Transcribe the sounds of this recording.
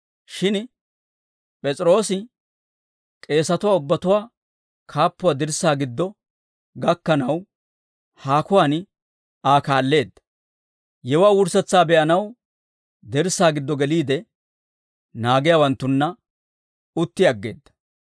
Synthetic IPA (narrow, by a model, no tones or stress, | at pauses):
ʃɪn | pʼɛt͡sʼɾo̞ːsɪ | kʼe̞ːsɐt̪ʊwaːʊbːɐt̪ʊwaː | kʰaːpːʊwaːd̪ɪɾsaːɡɪd̪ːɔ | ɡɐkːɐnɐw | haːkʊwaːn | aːkaːlːe̞ːd̪ːɐ̥ | jɛwaːwʊɾsɛt͡sːaːbɛʔɐnɐw | d̪ɪɾsaːɡɪd̪ːɔɡɛliːd̪ɛ | naːɡɪjaːwɐnt̪ːʊnːɐ | ʊt̪ːɪɐɡːe̞̰ːd̪ːɐ̥